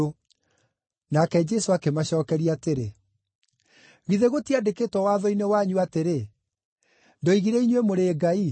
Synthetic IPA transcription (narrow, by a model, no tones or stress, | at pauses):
o | nakɛd͡ʒɛsoakemaɕɔːkɛɾiateɾe | ɣiðeɣotiadekeːtwɔwaːðɔinewaɲuateɾe | ndɔiɣiɾɛiɲwemoɾeːɡai